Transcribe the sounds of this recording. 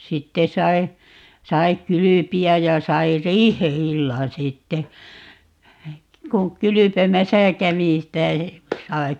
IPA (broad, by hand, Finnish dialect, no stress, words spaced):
sitːe sɑi̯ sɑi kylypiæj̆ jɑ sɑi riːheilːɑn sitːe kuŋ kylypemæsæ kæʋi sitæ sɑi